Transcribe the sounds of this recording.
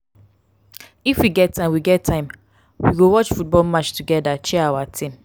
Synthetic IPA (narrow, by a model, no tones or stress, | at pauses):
ifwiɡɛtːãɪ̃wiɡɛtʰːãɪ̃m | wiɡowɔt͡ʃfut̚bɔlmat͡ʃtuɡɛdat͡ʃɛawatʰĩm